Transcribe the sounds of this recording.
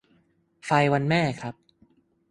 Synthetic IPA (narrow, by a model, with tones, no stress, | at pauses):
fa˧jwa˧nmɛː˥˩kʰɾa˦˥p̚